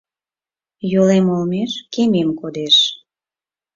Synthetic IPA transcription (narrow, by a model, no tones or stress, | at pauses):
jolemolmeʃkememkod̪eʃ